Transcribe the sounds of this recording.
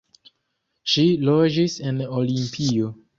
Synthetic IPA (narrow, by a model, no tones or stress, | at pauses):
ʃilod͡ʒisenolimpʰio